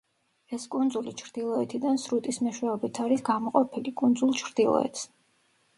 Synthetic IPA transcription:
ɛskʼund̪zulit͡ʃʰɾd̪̥ilˠɔɛt̪ʰid̪ansɾut̪ʼismɛʃwɛɔbit̪ʰaɾisɡamɔqʼɔpʰilikʼund̪zulˠt͡ʃʰɾd̪̥ilˠɔ̰ɛ̰t̪ʰs

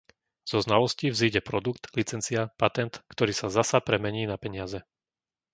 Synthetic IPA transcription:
z̥ɔznalɔscivziːɟɛpɾɔd̪ukt̪lit͡sɛnt͡siapat̪ɛnt̪kt̪ɔɾiːsazasapɾɛmɛɲiːnapɛɲɪazɛ

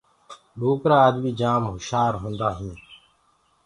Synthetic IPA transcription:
boːkɾaːəd̪miːd͡ʒaːmɦʊʃaːɾɦõːnd̪aːɦĩː

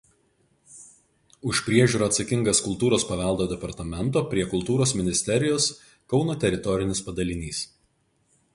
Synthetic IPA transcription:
ʊʃpʲɾʲiɛʒʲuːɾoːɐt̪sɐkʲɪŋɡɐskʊlˠt̪uːɾoːspɐʋʲɛlˠd̪oːd̪ʲɛpɐɾt̪ɐmʲɛnˑt̪oːpʲɾʲiɛkʊlˠt̪uːɾoːsmʲɪnʲɪsʲt̪ʲɛɾʲɪjoːs | kɒʊnoːt̪ʲɛɾʲɪt̪ɔɾʲɪnʲɪspɐd̪ɐlʲɪnʲiːs

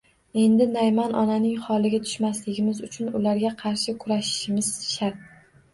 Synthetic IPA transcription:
e̞nd̪ɪnajmanʔɒ̰nanɪŋχɒlˠɪɡʲat̪ʰʊ̥ʃmaslɪɡʲɪmɪzʊt͡ʃʰʊnʊlaɾɡʲaqʰɑɾʃɪkʰʊɾaʃɪ̥ʃɪmɪz̥ʃaɾt̪̚

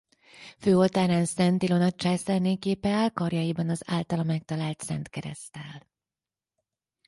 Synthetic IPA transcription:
føːo̞lt̪aːɾaːnsɛnt̪ilo̞nɒt͡ʃɛsɛrneːkeːpɛaːlkɒrjɒjibɒnɒza̰ːlt̪ɒlɒmɛk̚t̪ɒlaːlt̪sɛ̰nt̪kɛɾɛ̰st̪ɛl

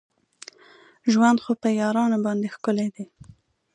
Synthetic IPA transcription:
ʒwand̪xopəjɑɾɑnobɑnd̪exkʊled̪e

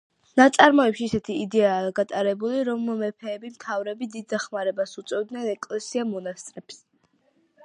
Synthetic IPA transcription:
nat̪sʼaɾmɔɛpʃiːsɛt̪ʰiːd̪ɛaːɡat̪ʼaɾɛbuliɾɔmmɛpʰɛːbimt̪ʰavɾɛbid̪id̪̚d̪aχmaɾɛbasut̪sʼwɛvd̪nɛnɛkʼlɛsiamɔnast̪ʼɾɛps

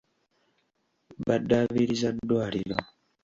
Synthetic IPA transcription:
badaβiɾizadwaɾilɔ

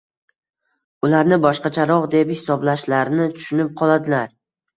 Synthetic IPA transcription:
ʊlaɾnɪbɒʃqɑt͡ʃʰaɾɒʁd̪e̞phɪsɒblaʃlaɾnɪt̪ʰʊ̥ʃʊnɪp̚qʰɒlˠad̪ɪlaɾ

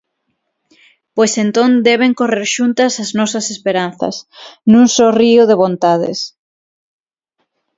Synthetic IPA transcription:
pojsent̪ond̪ɛβ̞eŋkoreɾʃunt̪ɐsɐznɔsɐsespeɾanθɐ̰snũŋsoriʊðeβ̞õnt̪aðḛs

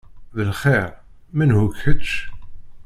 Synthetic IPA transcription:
ðəlχeʁ | mænhʊkːət͡ʃ

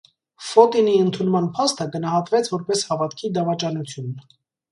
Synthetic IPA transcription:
fɔt̪iniənt̪ʰunmɑnpʰɑst̪əɡənɑɦɑt̪vɛt͡sʰvɔɾpɛshɑvɑt̪kʰid̪ɑvɑt͡ʃɑnut͡sʰjun

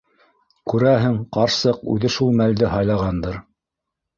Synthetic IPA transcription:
kʉɾæɦɘŋqɑɾsɤqʉ̰ðɘʃulˠmæld̪ɘɦɑjlˠɑʁɑnd̪ɤɾ

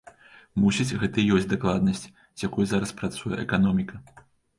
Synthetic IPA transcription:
musʲit͡sʲɣɛt̪ɐijɔsʲtʲd̪aklˠad̪̚nɐsʲt͡sʲ | jakujuzaɾɐspɾat̪sujɛ̰ʔɛkanɔmʲikɐ

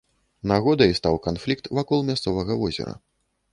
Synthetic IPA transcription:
naɣɔd̪ɐjst̪awkanflʲikt̪vakɔlˠmʲast̪sɔvɐɣɐvɔzʲɛ̰ɾɐ̰

